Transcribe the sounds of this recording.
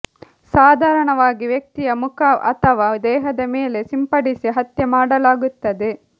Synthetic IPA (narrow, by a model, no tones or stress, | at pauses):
saːd̪ʱaːɾɐɳɐʋaːɡiʋjɐk̚t̪ijɐmukʰɐɐt̪ʰɐʋaːd̪ɛːɦɐd̪ɐmeːle̞simpɐɽisiɦɐt̪jɐmaːɽɐlaːɡut̪ːɐd̪e̞